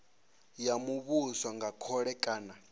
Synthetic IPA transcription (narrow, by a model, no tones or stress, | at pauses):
jamuβuswaŋɡakʰɔɺɛkʼaːna